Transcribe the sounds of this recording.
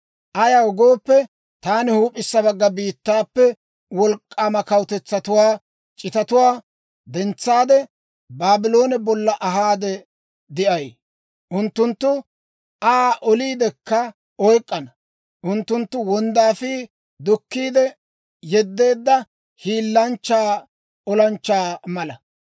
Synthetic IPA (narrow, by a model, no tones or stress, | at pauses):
ʔɐjɐwɡo̞ːpːɛ | t̪aːnɪhuːpʼːɪsːɐbɐɡːɐbiːt̪ːaːpːɛ | wɔlkʼːaːmɐkɐwt̪ɛt͡sːɐt̪ʊwaː | t͡ʃʼɪt̪ɐt̪ʊwaː | d̪ɛnt͡sːaːd̪ɛ | baːbɪlo̞ːnɛbɔlːɐʔɐɦaːd̪ɛ | d̪ɪʔɐj | ʔʊnt̪ːʊnt̪ːʊ | ʔaːʔɔliːd̪ɛkːɐ | ɔjkʼːɐnɐ | ʔʊnt̪ːʊnt̪ːʊwɔnd̪aːfiː | d̪ʊkːiːd̪ɛ | jɛd̪ːe̞ːd̪ːɐ | hiːlːɐnt͡ʃːaː | ɔlɐnt͡ʃːaːmɐlɐ